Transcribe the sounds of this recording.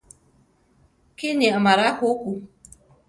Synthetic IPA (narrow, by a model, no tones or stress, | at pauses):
kɪneamaɾakʊkʷu